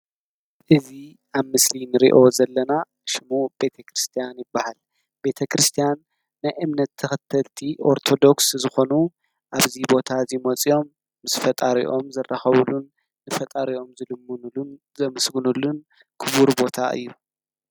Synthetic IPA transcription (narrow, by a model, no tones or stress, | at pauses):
ʔɨzi | ʔaβmɨslinɨɾḭʔo̞zɐlːɐna | ʃɪmube̞t̪ʰɐkʰɾɨst̪ʰijanjɪbːahal | be̞t̪ʰɐkɾɨst̪ʰijanː | ajʔɨmnɐt̪ʰːɨxɨt̪ʰːɐlt̪ʰiʔo̞ɾt̪ʰo̞d̪o̞kszɨxo̞nu | ʔaβzibo̞t̪ʰazimot͡sʼio̞mː | ɨsfɐt̪ʼaɾḭʔo̞mzɐrːaxɐβulunː | ɨfɐt̪ʼaɾio̞mzɨlɨm | zɐmɨsɡɨnulun | kʰɨβuɾbo̞t̪ʰaʔɨ̰jːu